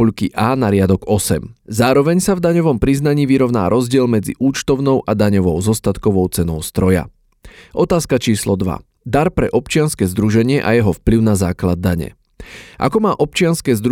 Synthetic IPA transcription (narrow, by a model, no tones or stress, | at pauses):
uʎkiʔaːnaɾɪad̪ɔɡɔsɛmzaːɾɔʋɛɲsavd̪aɲɔʋɔmpɾiznaɲiːʋiɾɔʊna̰ːɾɔzɟɪɛlmɛd͡zḭʔuːt͡ʃt̪ɔʊnɔʊʔad̪aɲɔʋɔʊzɔst̪at̪kɔʋɔʊt͡sɛnɔʊst̪ɾɔja̰ | ʔɔt̪aːskat͡ʃiːslɔd̪ʋa̰ | d̪aɾpɾɛʔɔpt͡ʃɪanskɛːzd̪ɾuʒɛɲɪɛʔa̰jɛɦɔfpliʊnazaːklad̪̚ːaɲɛ̰ | ʔa̰kɔmaːʔɔp̚t͡ʃɪanskɛːzd̪ɾ